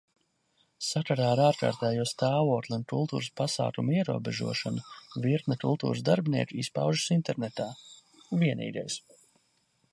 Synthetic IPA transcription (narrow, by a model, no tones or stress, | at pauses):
sakaɾaːaɾaːɾka̰ːɾt̪ɛːjuɔst̪aːvuɔklʲˠiunkulˠt̪ṵːɾəspasa̰ːklumiɛɾṵɔbeʒṵɔʃɔnuviɾt̪nakṵlˠt̪ṵːɾəsd̪aɾbʲnḭɛkuispa̰wʒu̥sint̪ɛɾnet̪aː | viɛnḭːɡ̪ɛ̰js